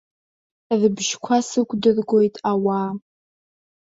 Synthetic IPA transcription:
rɨbʒkʷʰasɨkʷʼdɨrɡʷojtʼawaː

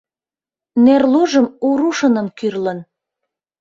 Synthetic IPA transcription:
nerloʒəmuɾuʃɤnə̆nkyrlən

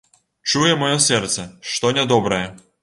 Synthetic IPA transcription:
t͡ʂujɛmɔjɔsʲɛrt̪sɛʂt̪ɔnʲad̪ɔbɾɐjɛ

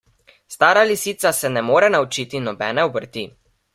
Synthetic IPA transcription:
st̪aːɾalisiːt̪sasɛnɛmoːɾɛnaut͡ʃiːt̪inɔbɛːnɛɔbəɾt̪i

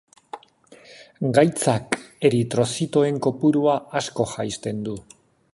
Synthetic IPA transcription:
ɡajt͡sake̞ɾit̪ɾo̞sit̪o̞e̞ŋko̞puɾuaasko̞xajst̪e̞nd̪u

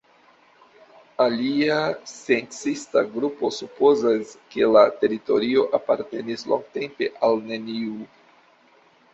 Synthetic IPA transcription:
aliasent͡sista̰ɡɾupo̞supo̞zaske̞late̞ɾito̞ɾio̞ʔapaɾte̞nislo̰ŋɡ̚te̞mpe̞ʔalne̞niu

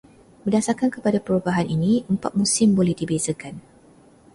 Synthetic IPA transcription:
b̥ərdasarkankəpadapəɾubaɦaniniəmpa̰t̪̚musɪmbolɛhdibezəkan

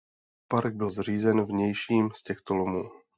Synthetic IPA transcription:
paɾɡ̚bɪlzr̝iːzɛnvɲɛjʃiːmscɛxt̪olomuː

